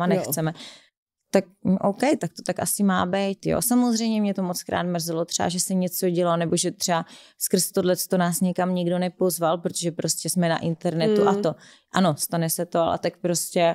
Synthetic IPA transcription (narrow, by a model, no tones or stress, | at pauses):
anɛt͡sɛmɛ | t̪ak̩̚ʔowkɛjt̪ak̚t̪ot̪akʔa̰sɪmaːbɛjt̪jo̰ːsamozrɛjmɲɛmɲɛt̪o̞mot͡skɾa̰ːt̪mr̩zɛlot̪r̥ɛa̰ʒɛsɛɲɛt͡so̞ɟɛlanɛboʒɛt̪r̥ɛaskr̩st̪odlɛt͡st̪onaːsɲɛkamɲiɡdo̞nɛpo̞zvalpɾot̪oʒɛpɾo̞scɛsmɛna̰ʔɪnt̪ɛɾnɛt̪uʔat̪o̞ | ʔano̞st̪anɛsɛt̪oalɛ̰t̪akpɾoscɛ